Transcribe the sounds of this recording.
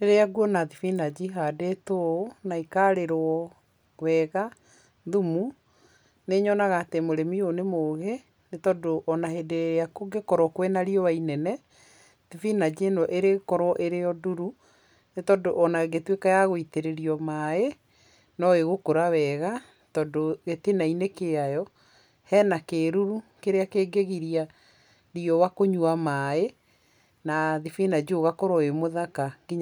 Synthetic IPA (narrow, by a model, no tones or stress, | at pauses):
eɾeaɡuɔnaðifinad͡ʒiɦadetonaikaɾeɾɔ | wɛɣa | ðumu | neɲɔnaɣaːtemoɾemionemoɣe | netɔdoʔɔnahedeakoɡekɔɾɔkwenaɾiɔwainɛnɛ | ðifinad͡ʑenɔʔeɾekɔɾwɔʔeɾejɔduɾu | netɔdoʔɔnaɣetwekajaɣoiteɾeɾiɔmae | nɔeɣokoɾawɛɣa | tɔdoɣetenainekeajɔ | hɛːnakeːɾuɾukeɾeakeːɡeɣiɾia | ɾiɔwakoɲuamae | naðifinad͡ʒoɣakɔɾɔemoðakaɡiɲ